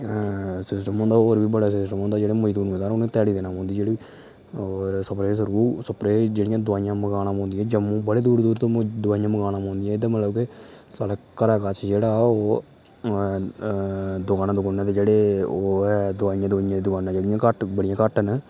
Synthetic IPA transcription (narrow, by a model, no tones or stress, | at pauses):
sɪsʈəmɔ̃ːnd̪aːoːɾbiːbəɽaːsɪsʈəmɦõːnd̪aːd͡ʒeːɽeməiːd̪uːnmeːt̪aːɾoːnẽːt̪ɛːɽiːd̪eːnãːmɔ̃ːnd̪iːd͡ʒeːɽi | oːɾsəpɾeːs̬əɾuːsəpɾeːd͡ʒeːɽɪjãːd̪ʊaːijãːməɡaːnãːmɔ̃ːnd̪ijɛ̃ːd͡ʒəmũːbəɽeːd̪uːɾd̪uːɾt̪oːd̪ʊaːijãːməɡaːnaːmãːnd̪ijãːd̪aːmət̪ləbkesaːlaːkəɾaːkat͡ʃʰd͡ʒeːɽaːoː | d̪ʊkaːnaːd̪ʊkaːnːãːt̪eːd͡ʒeːɽeːoːɛd̪ʊaːijãːd̪ʊaːijãːd̪eːd̪ʊkaːnãːd͡ʒeːɽɪjãːkəʈbəɽɪjãːkəʈən